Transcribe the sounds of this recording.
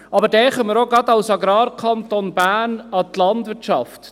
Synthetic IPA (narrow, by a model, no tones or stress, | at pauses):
ɑbəɾdɛχœməɾoɡɑd̪ɑʊsɑɡɾɑːɾkʰɑnt̪onbæːnɑt̪lɑndʋɪɾtʃɑft